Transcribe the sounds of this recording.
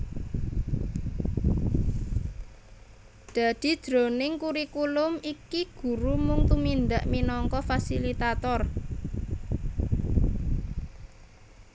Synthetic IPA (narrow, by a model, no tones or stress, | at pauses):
d̪̥a̤d̪̥i̤̥d̪̥ɾonɪŋkuɾikulʊmikiɡ̥ṳɾumʊŋt̪umind̪aʔminɔŋkɔfasilit̪at̪ɔr